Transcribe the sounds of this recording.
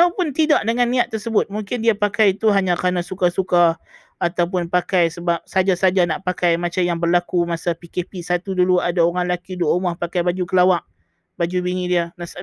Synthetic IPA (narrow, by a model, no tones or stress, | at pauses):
awpʊnt̪idaʔdəŋanːĩaʔt̪ːərsəbʊt̪̚muŋkɪndiapakajt̪uɦaɲãkanasukasukaː | t̪awp̬ʊnpakajsəbap̚sad͡ʒasad͡ʒanaʔpakajmat͡ʃamjaŋbərlakumasapikepisat̪uduluadaoɾanlakiduwaumɔhpakajbad͡ʒukəlawaʔ | bad͡ʒubiŋidianas